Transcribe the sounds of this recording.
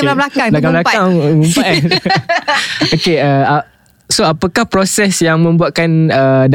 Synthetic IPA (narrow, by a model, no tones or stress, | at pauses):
ablakablakãblakaŋumpaa | okeəa | soapakahpɾosɛsjaŋmə̃mbuaʔ̪̚kanəd